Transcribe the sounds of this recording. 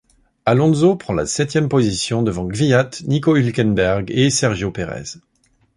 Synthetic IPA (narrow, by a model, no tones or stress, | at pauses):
alɔ̃zopχɑ̃la̰sɛt̪jɛmpozisjɔ̃d̪əvɑ̃ɡvijat̪nikoylkʲɛnbɛʁɡesɛʁʒjopeʁɛ̰z̥